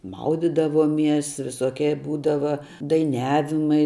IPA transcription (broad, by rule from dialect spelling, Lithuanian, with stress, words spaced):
ˈmɐʊdʲɪdɐʋoːˌmʲiɛs ʋʲɪˈsoːkʲiɛ ˈbuːdɐʋɐ dɐɪˈnʲæːʋʲɪmɐɪ